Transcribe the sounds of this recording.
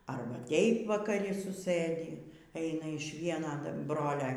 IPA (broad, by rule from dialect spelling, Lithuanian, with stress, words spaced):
ˈɐrbɐ ˈtʲeːɪp ʋɐkɐˈrʲɪ sʊˈsɘdʲiː ˈɛɪnɐ ɪʃ ˈʋʲiɛnɐ ˈbroːlʲɛ